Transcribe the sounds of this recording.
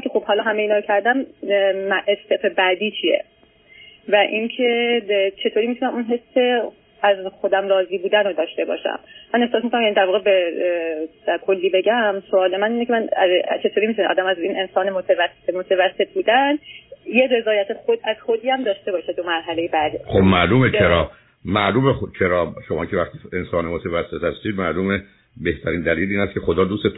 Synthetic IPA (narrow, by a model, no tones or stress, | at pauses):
kʰʲexobhɒːlɒːɦæmejiːnɒːɾocʰæɾd̪æmmæʔest̪efebæd̪iːt͡ʃʰijḛ | væʔincʰe̞t͡ʃʰe̞t̪ʰoːɾimit̪ʰunæmunɦe̞sːkʰʲe̞ | æzxo̞d̪æmɾɒːziːbuːd̪ænod̪ɒːʃt̪e̞bɒ̰ːʃæ̰mːænehsɒːs̬mikonæmjænid̪æɾvɒːɣebe̥ | ækʰolːiːbe̞ɟæmsoɒːle̞mæniːnecʰeænt͡ʃʰe̞t̪ʰoɾiːmit̪uneɒ̰d̪æmæzinʔensɒːnemot̪ʰevæsːeemot̪ʰevæsːe̞t̪̚ʰbuːd̪ænjere̞zɒːjæt̪ʰexod̪æz̥xod̪iːæmd̪ɒːʃt̪e̞bɒːʃed̪omæɾɦælejebæd̪ixobmæʔluːmet͡ʃʰeɾɒː | mæʔluːmext͡ʃʰeɾɒːʃomɒːcʰevæχt̪iːensɒːnemot̪ʰevæsːe̞t̪hæst̪iːd̪mæluːme | be̞ht̪ʰæɾiːnd̪æliːliːnæst̪̚cʰe̞xod̪ɒːd̪uːset̪